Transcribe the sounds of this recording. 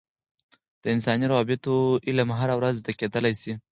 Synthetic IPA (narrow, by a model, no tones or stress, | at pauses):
d̪̥əɪnsɑniɾɑbɪt̪oilamɦaɾawɾazd̪aked̪əlajsi